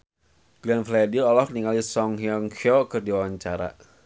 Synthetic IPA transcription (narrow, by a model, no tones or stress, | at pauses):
ɡ̥lɛnflɛdilɔlɔhniŋalisɔŋɦiɔŋkokɨrdiwawaɲt͡ʃaɾa̰